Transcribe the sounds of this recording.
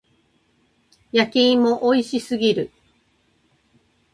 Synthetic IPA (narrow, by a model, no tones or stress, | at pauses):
jakʲĩːmo̞ʔoiɕisɨɡʲiɾɯ̟